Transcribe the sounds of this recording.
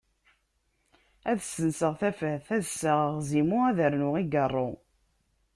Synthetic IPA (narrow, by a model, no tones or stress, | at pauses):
æðsənsəʁθæfəhθæðsəʁzimʊæðəɾnʊʁiɡərˤːo